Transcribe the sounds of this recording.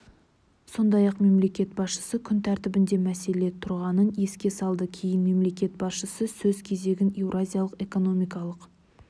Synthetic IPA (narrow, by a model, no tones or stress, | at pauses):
so̞nd̪ɑjɑqme̞mle̞kʲe̞t̪̚bɑsʃə̥səkʲʰʏnt̪ʰæɾt̪ɪbɪnd̪e̞mæse̞le̞t̪ʰʊɾʁɑnəne̞skʲe̞sɑlˠd̪əkʲʰe̞jɪnme̞mle̞kʲe̞t̪̚bɑsʃəsəsɵz̥kʲʰe̞ze̞ɡʲɪnewɾʔazʲijalˠəqe̞ko̞no̞mijkɑlˠəq